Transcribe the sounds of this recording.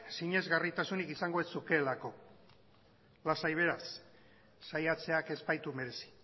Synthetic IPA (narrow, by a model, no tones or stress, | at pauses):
siɲe̞zɣarit̪asunikisaŋɡoesuke̞lako̞ | lasajβ̞e̞ɾasː | ajat͡se̞ake̞spajt̪ume̞ɾe̞si̥